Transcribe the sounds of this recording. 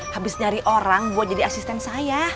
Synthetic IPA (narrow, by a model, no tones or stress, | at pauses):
habɪsɲaɾiʔoɾaŋbuat̪̚d͡ʒadiasist̪ɛnsaja